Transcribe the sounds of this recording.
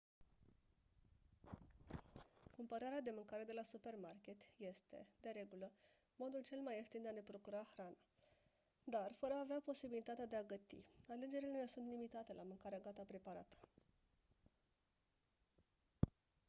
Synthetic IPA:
kumpəɾaɾead̪e̞mɨŋkaɾe̞d̪e̞lasupe̞rmarkʲe̞t̪je̞st̪e̞̰d̪e̞ɾe̞ɡulə | mo̞d̪ult͡ʃe̞lmajeft̪ind̪eane̞pɾo̞kuɾaxɾana | d̪arfəɾəaveapo̞sibilit̪at̪ead̪eaɡət̪ḭale̞d͡ʒe̞ɾile̞ne̞sunt̪limit̪at̪e̞lamɨŋkaɾeaɡat̪apɾe̞paɾat̪ə̥

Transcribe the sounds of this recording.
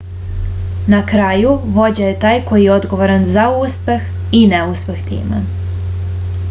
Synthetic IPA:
nakɾaːjuʋo̞d͡ʑajet̪aːjko̞jijeo̞d̪ɡo̞ʋoɾanzauspe̞x | ineuspext̪ḭːmḛ

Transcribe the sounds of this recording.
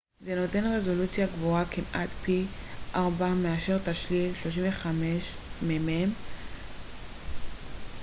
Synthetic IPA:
ze̞no̞te̞nʁe̞zo̞lut͡sjaɡvoakimʔat̪pi | ʔaʁbameaʃe̞ʁt̪aʃlilʃlo̞ʃ̬iɱveχameʃmemem

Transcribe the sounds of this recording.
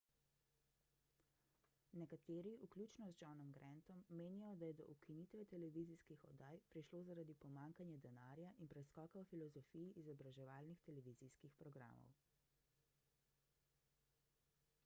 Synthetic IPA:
nɛkat̪eːɾiʔuklʲjuːt͡ʃnɔzd͡ʒɔnɔmɡɾʔɛnt̪ɔmːeːnijɔd̪ajɛd̪ɔ̰ʔukʰinit̪ʋɛt̪ɛlɛʋiziskixɔ̰d̪aːjpɾiʃloːzaɾad̪ipɔmaːŋkanjɛd̪ɛnaːɾjaʔinpɾɛskɔːkawfilɔzɔfiːjiʔizɔbɾaʒɛʋaːlnixt̪ɛlɛʋiziskixpɾɔɡɾa̰ːmɔ̰w

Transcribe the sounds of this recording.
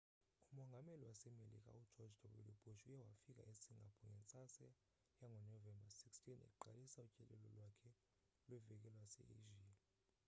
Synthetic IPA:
umɔŋɡʱameliwasɛmelḭk̬ʼa̰ud̥d͡ʒ̥ʱɔd͡ʒdʰʱɔɓṵlub̥ʱʼuʃujɛwafik̬ʼa̰ʔesiŋɡʱapʰɔŋɛnt͡sʼasɛ | jaŋʱɔnɔvɛmbasikstʰinḭkʼuǃalisaucʼɛlɛlɔlwakʰɛ | lwɛvɛk̬ɛlwasɛ̰ḛʒiː

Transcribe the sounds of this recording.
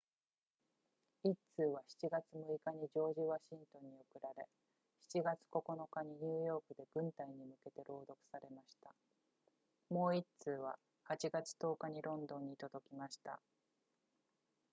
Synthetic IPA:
itt͡sɨːβ̞açi̥t͡ɕiɡat͡sɨmoikaɲ̟id͡ʑo̞ːʑiβaɕĩnt̪õ̞ɲ̟ːiokɯ̟ɾaɾe̞ | çi̥t͡ɕiɡat͡sɨ̥ko̞ko̞no̞kaɲ̟iɲ̟ɨːjo̞ːkɯ̟d̪e̞ɡ̥ɯ̟̃nt̪aiɲ̟imɯ̟ke̞t̪e̞ɾʔo̞ːd̪o̞kɯ̟̥saɾe̞maɕi̥t̪a | mo̞ːitt͡sɨːβ̞a | hat͡ɕiɡat͡sɨ̥t̪o̞ːkaɲ̟iɾʔõ̞nd̪õ̞ɲ̟ːit̪o̞d̪o̞kʲimaɕi̥t̪a̰

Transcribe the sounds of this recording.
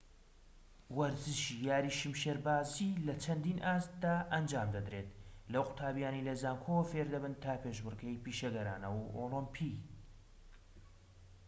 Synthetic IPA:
wɐɾzɨʃijaːɾiːʃimʃeɾbaːzilɐt͡ʃʰɐnd̪inʔaːst̪d̪aːʔɐnd͡ʒaːmd̪ɐd̪ɾe̞t̪lɐwqʊ̥t̪ʰaːbjaːnijlɐzaːŋkʰowfeɾd̪ɐbɨnt̪ʰaːpeːʃbɨrɡɐjpiːʃɐɡɐɾa̰ːnɐwʔolɨmpʰi

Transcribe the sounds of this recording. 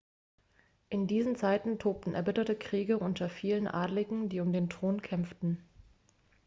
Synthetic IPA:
ʔɪndiːzn̩t͡saɪtn̩tʰoːp̚tn̩ʔɛɐbɪtɐtəkʁ̥iːɡəʔʊntɐfiːlənʔa̰ːdlɪɡŋ̩diːʊmdeːntʁ̥oːnkʰɛmftn̩

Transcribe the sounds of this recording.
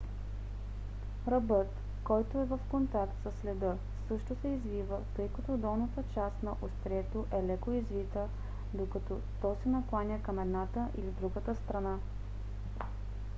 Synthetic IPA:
ɾɐbɤt̪ | kɔjt̪oɛvɐfkont̪akt̪səsːlʲɛd̪ɤ | sɤʃt̪osɛizvivət̪ɤjkɐt̪ɔd̪ɔlˠnət̪ət͡ʃast̪nɐʔost̪ɾʲɛt̪oʔɛlɛkoizvit̪ə | d̪okɐt̪ɔ | t̪ɔsɛnɐklˠanʲəkɐmɛd̪nat̪əʔilid̪ɾuɡət̪əst̪ɾɐna

